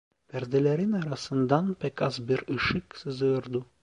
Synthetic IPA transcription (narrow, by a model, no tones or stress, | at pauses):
pɛɾd̪ɛlɛɾinɑɾɑsɯnd̪ɑnpɛkɑzbiɾɯʃɯksɨzɯɾd̪u